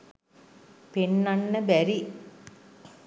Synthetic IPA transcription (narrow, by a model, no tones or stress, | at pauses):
penːanːəbæɾi